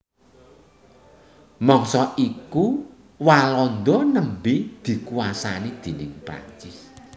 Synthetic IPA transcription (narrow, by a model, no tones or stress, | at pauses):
mɔŋsɔʔiku | walɔnd̪ɔnəmbid̪̥i̤kuwasanid̪̥i̤nɪŋpɾa̰ɲt͡ʃɪs